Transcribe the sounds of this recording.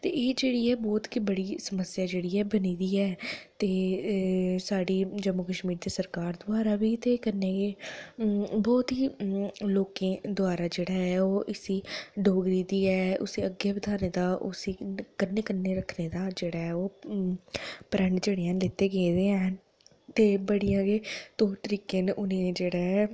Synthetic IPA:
t̪eːeːd͡ʒeːɽiːɛːbɔːt̪kiːbəɽiːsəməsjaːd͡ʒeːɽiːɛːbəniːd̪iːɛːt̪eː | saːɽiːd͡ʒəmːukəʃmiːɾd̪eːsəɾkaːɾd̪ʊaːɾaːbiːt̪eːkənːeːkeː | bɔːt̪ɦiːloːkẽːd̪ʊaːɾaːd͡ʒeːɽaːɦɛːoːʔɪsiːɖoːɡɾiːd̪iːɛːʔʊ̰siːəɡːeːbəd̪ʰʱaːneːd̪aːʔʊsiːkənːeːkənːeːɾəkʰneːd̪aːd͡ʒeːɽaːɦɛːoː | pəɾəɳɖd͡ʒeɽijãːlɪt̪eːɡed̪eːãːn | t̪eːbəɽijãːɡeːt̪õːt̪əɾiːkẽːnʔʊned͡ʒeːɽaːɛː

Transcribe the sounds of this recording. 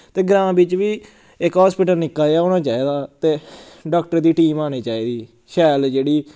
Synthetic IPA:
t̪eːɡɾãːbɪt͡ʃʋiː | ɪkɦɔːspɪːʈəlnɪkːaːaːoːnãːt͡ʃaːiːd̪aːt̪eːɖaːkʈəɾd̪iːʈiːmaːñiːt͡ʃaːiːd̪iː | ʃɛːld͡ʒeːɽiː

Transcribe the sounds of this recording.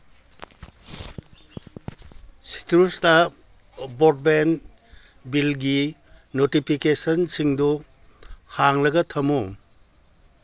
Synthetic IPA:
si̥tɾusta | bɔd̚ben | bilɡi | notipʰikesɐnsiŋdɔ | haŋlɐɡɐtʰɐmo

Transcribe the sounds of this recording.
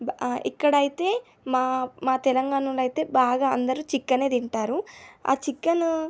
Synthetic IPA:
ḭkːɐɽɐjit̪e̞ː | maːmaːt̪ɛlɐŋɡaːɳɐluɐjt̪e̞ːbaːɡaːɐnd̪ɐɾuːt͡ʃikːɐne̞ːd̪iɳʈaːɾua̰ːt͡ʃikːɐn

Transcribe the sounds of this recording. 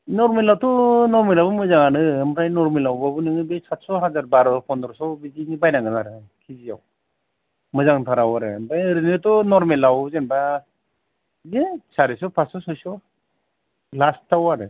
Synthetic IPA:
nɔɾmelawtɔnɔɾmelawbɯmɯzaŋanɯmɾajnɔɾmelawbabɯnɯŋɯbesat̚sɔɦazaɾbaɾɔpʰɔndɔɾsɔbizinibajnaŋɡɯnaɾɯkʰizija̰w | mɯzaŋpʰaɾawaɾɯ̰mbajɾɯnɯtɔnɔɾmelawzenba | ɡesaɾisɔpʰasɔsɔjsɔ | lastʰːawaɾɯ

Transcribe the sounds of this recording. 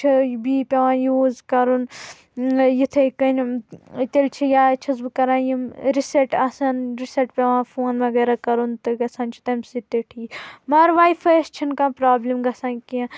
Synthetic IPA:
t͡ʃʰibiːpʲɐʋãːjuːzkɐɾun | jit̪ʰɐkɐnʲt̪ʲelʲt͡ʃʰijaːt͡ʃʰɐzbɨkɐɾãːjimɾisɐʈɐsɐnɾisɐʈpʲɐʋãːfoːnʋɐɡɐːɾakɐɾunt̪ɨɡɐsaːnt͡ʃʰi̥t̪ɐmʲsit̪eʈʰiːmɐːɾʋaːjfɐst͡ʃʰinkãːpɾaːblimɡɐsãːnkiã

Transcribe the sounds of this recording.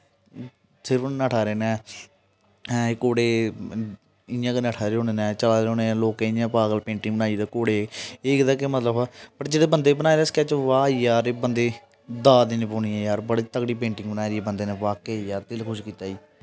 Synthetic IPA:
sɪɾəfnnaʈʰaːɾeːnɛ̃ː | koːɽeː | ɪjãːkɪnɛːʈʰaːɾeːoːneːnɛ̃ːt͡ʃəlaːd̪ɦõːneːloːkeːɪjãːpaːɡəlpẽːɳʈɪ̃ŋbənaːid̪aːkoːɽeːeːkd̪aːkemət̪ləbapəʈd͡ʒeːɽeːbənd̪eːbənaːeɾeːskɛːt͡ʃʋaːiːjaːɾeːbənd̪eː | d̪aːd̪eːnẽːpoːniːɛ̃ːjaːɾbəɽiːt̪əkɽiːpẽːɳʈɪŋɡbənaːeɾiːɛːbənd̪eːnɛ̃ːʋaːkeːjaːɾt̪ɪlkʰʊʃkiːt̪aːiː

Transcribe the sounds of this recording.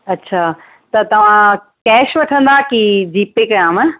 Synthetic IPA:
ɐtːɕʰaː | t̪ɐt̪ɐʋ̤ã | kɛːʃʋɐʈʰə̃nd̪akid͡ʑiːpeːkɾaːm

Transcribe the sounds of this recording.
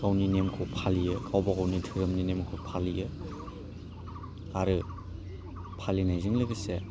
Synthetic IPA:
kawninemkʰopʰalijɯkʰawbakawnitʰɯɾɯmninemkʰopʰalijɯ | aɾɯ | pʰalinajzɯŋlɯɡise

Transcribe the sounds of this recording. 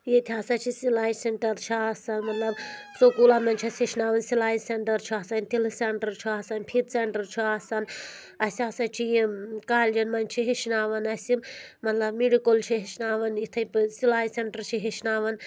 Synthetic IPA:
jet̪ʰaːsat͡ʃʰisilaːjseɳʈɐɾt͡ʃʰiasanmɐt̪lɐbsokuːlaːmɐnt͡ʃʰɐsʲiʃnaːʋɐnsilaːjseɳʈɐɾt͡ʃʰiaːsanʲt̪ilseɳʈɐɾt͡ʃʰiaːsanpʰit̪seɳʈɐɾt͡ʃʰiaːsan | ɐsiaːsɐt͡ʃʰijikaːld͡ʒɐnmɐnʲt͡ʃʰiɦiʃnaːʋɐnɐsʲimmɐt̪lɐbmiɖikolt͡ʃʰiɦiʃnaːʋɐnit̪ʰɐjpɨsilaːjseɳʈɐɾt͡ʃʰiɦiʃnaːʋɐn

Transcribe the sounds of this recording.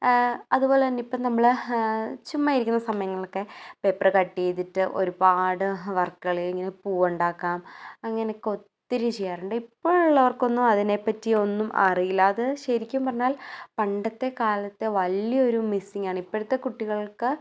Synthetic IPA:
ɐðupo̞ːlenːipːɐnɐmːɐɭ | t͡ɕumːaːjiɾikʲːunːɐsɐmɐjɐŋːɐɭo̞kːe̞pe̞pːrɐkɐʈːiːt̪ːiʈːɨʔo̞̰ɾubaːɽɨʋɐrkːɨɣɐɭiliŋːɐne̞puːɐɳɖaːkːaːmɐŋːɐne̞kːo̞t̪ːiɾumt͡ɕejːaːruɳɖɨipːoːɭuɭːɐʋɐrko̞nːumɐðine̞pːɐtːio̞nːumɐ̰rijilːɐːðɨɕɐɾikʲːuʋumpɐrɐɲːaːlpɐɳɖɐt̪ːe̞kaːlɐt̪ːe̞ʋɐlːijɐo̞ɾumisiŋɡaːɳɨipːɐɽit̪ːe̞kuʈːiɣɐɭkɨ

